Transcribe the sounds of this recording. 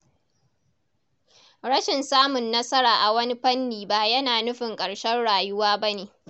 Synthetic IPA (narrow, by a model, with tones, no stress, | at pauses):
ɽɐ˦ʃɪ˨nsaː˦mʊ˨nːɐ˦sɐ˦ɾaː˨ʔa˨wɐ˦ni˦ɸɐ˦nːiː˨ba˦jɐ˦naː˨nʊ˦ɸɪ˨ŋkʼɐ˨ɽʃɛ˦nɽaː˨jʊ˦waː˦bɐ˦neː˨